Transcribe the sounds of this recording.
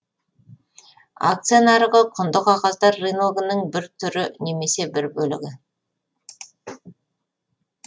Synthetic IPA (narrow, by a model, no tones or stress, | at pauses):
a̰k̚t̪sijanɑɾəʁəqʰʊnd̪əqɑqɑst̪ɑɾːinoɡənəɴbɪɾt̪ʰʏɾɪne̞me̞se̞bɪɾbɵlɪ̰ɡʲɪ